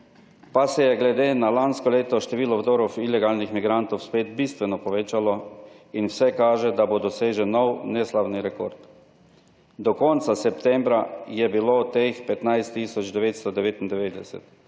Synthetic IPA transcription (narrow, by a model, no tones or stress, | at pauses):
pasɛjɛɡlɛd̪eːnalanskɔleːt̪ɔʃt̪ɛʋiːlɔwd̪oːɾɔwilɛɡaːlnixmiɡɾant̪ɔwspeːd̪bist̪ʋɛnɔpɔʋeːt͡ʃalɔinwsɛkaːʒɛd̪abod̪ɔseːʒɛnːɔwnɛslabniɾɛkoɾt̪ | d̪ɔkɔnt̪sasɛpt̪ɛmbɾajɛbiloːt̪expɛt̪najst̪ːiːsɔd͡ʒd̪ɛʋeːt̪st̪ɔd̪ɛʋeːt̪ind̪ɛʋeːd̪ɛsɛ̰t̪